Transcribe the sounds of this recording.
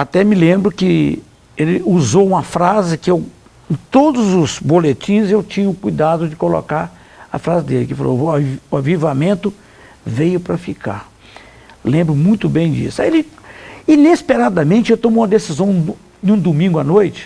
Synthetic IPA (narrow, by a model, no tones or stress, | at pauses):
at̪ɛmɪlẽmbɾʊkɪ | elɪuzowũmɐfɾazɪkɪew | ẽt̪od̪ʊzʊzbolet͡ʃĩzewt͡ʃĩɲʊkujd̪ad̪ʊd͡ʒɪkolo̰kaɾ | ɐ̰fɾazɪd̪elɪkɪfa̰lo̰ʊavivamẽnt̪ʊ | vejʊpɾɐfika̰ɾ | lẽmbɾʊmũj̃t̪ʊbẽj̃d͡ʒḭsʊaelɪinespeɾad̪ɐmẽnt͡ʃɪewt̪õmũmɐd̪esizɐ̃w̃ | ɪũd̪umĩŋɡʊanojt͡ʃɪ̥